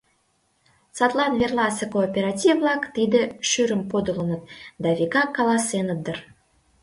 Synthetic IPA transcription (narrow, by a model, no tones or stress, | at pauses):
sɑt̪lˠɑnvʲerlɑsəkoːpʲeɾɑt̪ʲivvlˠɑkt̪id̪əʃyɾəmpod̪ələ̆nə̆t̪̚d̪ɑvʲikɑkːɑlˠɑsenə̆d̪ər